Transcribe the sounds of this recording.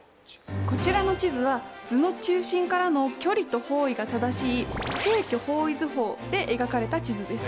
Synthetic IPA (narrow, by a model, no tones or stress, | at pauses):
ko̞t͡ɕiɾano̞t͡ɕizɨβad͡zɨno̞t͡ɕɨːɕĩŋkaɾano̞kʲo̞ɾʲit̪o̞ho̞ːiɡat̪ad̪aɕiːsoekʲoho̞ːizɨɦo̞ːd̪̥e̞ʔeɡakaɾe̞t̪at͡ɕizɨd̪e̞sɨ̥